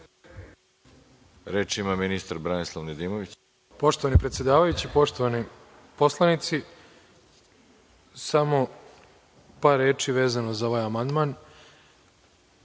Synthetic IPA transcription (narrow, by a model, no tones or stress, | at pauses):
ɾeːt͡ʃimaminist̪aɾbɾanislˠaʋned̪iːmoʋit͡ɕ | po̞ʃt̪oʋanipɾet̪sje̞d̪aːʋajut͡ɕipo̞ʃt̪oʋani | po̞slˠanit̪si | samo̞ | paːɾːeːt͡ʂiʋe̞ːzanozao̞ʋaːjamand̪maːn